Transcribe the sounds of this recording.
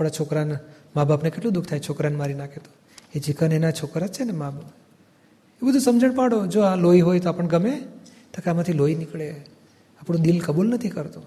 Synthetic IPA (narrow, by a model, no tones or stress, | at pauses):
apɽat͡ʃʰokɾanmabapnekeʈlũd̪ʊkʰt̪ʰajt͡ʃʰokɾanmaɾinakʰet̪o̥ | ed͡ʒikənenat͡ʃʰokɾat͡ʃʰenemab | ebəd̪ʱũsəmd͡ʒəɳpaɽod͡ʒoaloiɦojt̪oapəɳɡəme | t̪akeamãt̪ʰiloinikɭe | apɳõd̪ilkəbulnət̪ʰikəɾt̪o